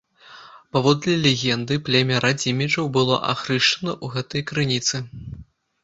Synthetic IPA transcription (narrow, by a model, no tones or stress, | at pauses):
pavɔd̪lʲɐlʲeɣʲɛnd̪ɨplʲɛmʲɛɾad͡zʲimʲɛt͡ʂɐwbɨlˠɔ̰ʔa̰xɾɨʂt͡ʂɐnɐʔuɣɛt̪ɐjkɾɨnʲit̪sɨ